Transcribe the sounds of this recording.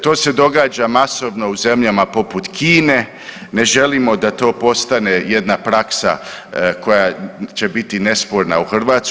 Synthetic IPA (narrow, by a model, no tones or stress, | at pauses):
t̪o̞ːse̞d̪o̞ɡaːd͡ʒamaso̞ʋno̞uze̞mʎamapo̞put̪kʰiːne̞ | ne̞ʒe̞limo̞d̪at̪o̞ːpo̞st̪ane̞jed̪napɾaksa̰kʰo̞jat͡ʃe̞bit̪ine̞spoɾnauxr̩ʋaːt̪s